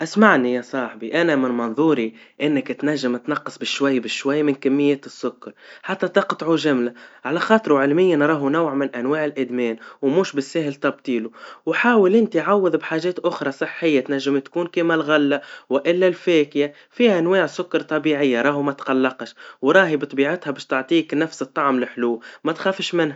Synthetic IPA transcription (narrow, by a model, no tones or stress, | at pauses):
ʔasmaʕnijɑsˤɑːħbiʔanamɪnmɑnðˤuːɾi | ʔɪnːɪkt̪naʒːɪmt̪nɑqːɑ̥sˤbɪʃwajːbɪʃwajːmɪnkamːɪjːeːt̪ɪsːʊkːɑɾˤħat̪ːat̪ɑqt̪ˤʕuʒamlaʕalaxɑːt̪ˤɾˤuʕɪlmɪjːanɾˤɑːɦunawʕmɪnʔanwaːʕɪlʔɪd̪meːnwmuːʃbɪsːahɪlt̪ɑb̚t̪ˤiːluwħaːwɪlʔɪnt̪iʕawːɪðbħaːʒeːt̪ʔʊxɾˤɑsˤɨħːɪjːat̪naʒːɪmt̪kuːnkemalɣalːawɪʔɪlːalfeːkja | fiːʔanwaːʕsʊkːɑɾˤt̪ˤɑbiːʕɪjːaɾˤɑːɦumat̪qɑlːɑqʃwɾˤɑːɦibt̪ˤbiːʕɪt̪habeːʃt̪ɪʕt̪ˤiːknafsɨt̪ˤːɑʕmlɪħluːmat̪xaːfɪʃmɪnha